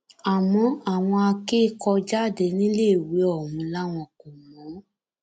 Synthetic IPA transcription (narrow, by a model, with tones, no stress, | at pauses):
a˨mɔ̃˨˧˦a˨w̃ɔ̃˧a˧keː˦kɔ˧d͡ʒa˦˨de˧nĩ˦le˦˨we˨˦ɔ˦˨mũ˨˦la˦w̃ɔ̃˧ko˨mɔ̃˨˦